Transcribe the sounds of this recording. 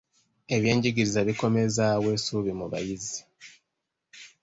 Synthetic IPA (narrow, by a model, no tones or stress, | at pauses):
e̞βjeːɲɟiɡiɾizaβiko̞me̞zaweːsuːβimuβa̰jizi̥